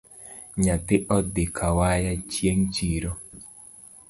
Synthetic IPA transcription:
ɲatɪʔɔdɪkʰawajat͡ʃjeŋt͡ʃiɾo

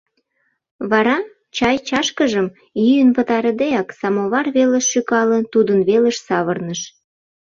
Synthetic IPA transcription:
βɑɾɑ | t͡ɕɑjt͡ɕɑʃkəʒəm | jyjənpət̪ɑɾəd̪eɑksɑmoβɑrβeleʃːykɑlənt̪ud̪ənβeləʃsɑβərnəʃ

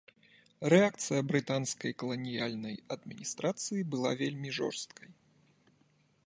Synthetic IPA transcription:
rɛak̚t̪sɨjɐbɾɨt̪anskɐjkɐlˠɐnʲijalʲnɐjɐd̪mʲinʲist̪ɾat̪sɨjibɨlˠa̰vʲelʲmʲiʐɔ̰rst̪̚kʰɐj

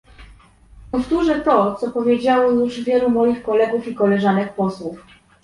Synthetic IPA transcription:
pɔft̪uʐɛt̪ɔt̪sɔpɔvʲjed͡ʑawɔjuʐvʲjɛlumɔjixkɔlɛɡufikɔlɛʐanɛk̚pɔswuf

